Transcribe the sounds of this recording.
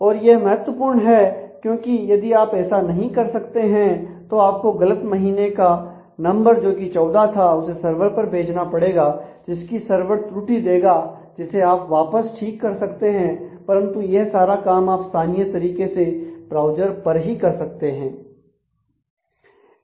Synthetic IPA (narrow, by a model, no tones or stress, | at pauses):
ɔːɾjemɐɦət̪wəpuːɾɳɦɛkjõːkijɐd̪iaːpɛːsanɐɦĩkɐɾsɐkt̪eɦɛ̃t̪oaːp̚koɡɐlət̪mɐɦiːneka | nɐ̃mbəɾd͡ʒoːkit͡ʃɔːd̪at̪ʰaʊsesɐɾʋəɾpɐɾbʱeːd͡ʒnapɐɽeːɡad͡ʒɪskisɐɾʋəɾt̪ɾʊʈid̪eːɡa | d͡ʒɪseaːpʋaːpəsʈʰiːkːɐɾsɐkt̪eɦɛ̃pɐɾə̃nt̪ujesaːɾakaːmaːpsaːnijət̪ɐɾiːkeseb̥ɾaːʊd͡ʒəɾpɐɾɦikɐɾsɐk̚t̪eɦɛ̃ː